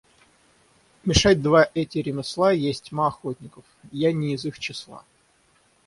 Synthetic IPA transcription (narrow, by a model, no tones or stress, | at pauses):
mʲɪʂatʲd̪vaʔɛtʲɪɾʲɪmʲɪslˠajesʲtʲmaɐxotʲnʲɪkəfjanʲɪːzɨxt͡ɕɪslˠa̰